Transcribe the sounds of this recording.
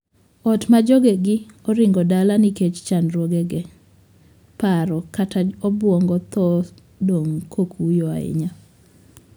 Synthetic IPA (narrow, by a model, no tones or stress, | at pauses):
ɔtmad͡ʒoɡeɡɪɔɾɪŋɡɔdalanɪket͡ʃt͡ʃanɾwoɡɛɡɛ | paɾɔkatʰaɔbwɔŋɡɔt̪ɔ | doŋkʰokʰujɔa̰ɪ̰ɲa